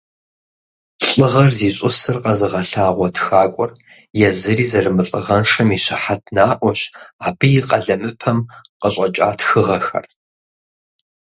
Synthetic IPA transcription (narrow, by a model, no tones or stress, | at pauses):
ɬʼɨʁɐrziːɕʼʊsɨrqɐzɨʁɐɬaːʁʷɔtʰxaːkʷʼɔr | jɛzɨɾiːzɐrɨmɨɬʼɨ̰ʁɐnʂɐmiɕɪħatʰnaːʔʷɔɕaːbɨjiqʼɐɮɐmɨpʰɐmqəɕʼɐt͡ʃʼa̰ːtʰxɨʁɐxɐ̰r